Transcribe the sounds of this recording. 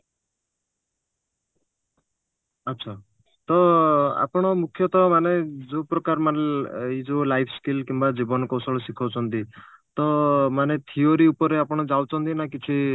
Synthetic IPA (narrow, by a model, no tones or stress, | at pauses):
ʌt̪ːsʰa | t̪ɔa̰pɽ̃ɔmukʰjɔt̪ɔmaned͡zopɾɔkaɾmanid͡ʒolajpʰskilkimbad͡zibɔnkɔwsɔɭɔsikʰɔwt͡sʰʌnt̪it̪ɔmanet̪ʰioɾiupɔɾeapɔɽ̃ɔd͡zawt͡ʃʰɔnt̪inakit͡ʃʰi